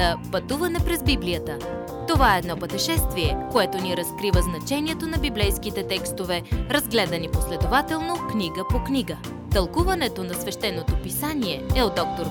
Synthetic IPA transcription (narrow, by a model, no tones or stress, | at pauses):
əpɐt̪uvɐnɛpɾɛzbiblijət̪ə | t̪ovaɛɛd̪nɔpət̪ɛʃɛst̪viɛkoɛt̪oniɾɐskɾivəznɐt͡ʃɛniɛt̪onɐbiblɛjskit̪ɛt̪ɛkst̪ovɛɾɐzɡlɛd̪ɐniposlɛd̪ovat̪ɛlˠnokniɡəpoknʲiɡə | t̪ɐlˠkuvɐnɛt̪onɐsvɛʃt̪ɛnːot̪opisaniɛɛod̪ːɔk̚t̪oɾ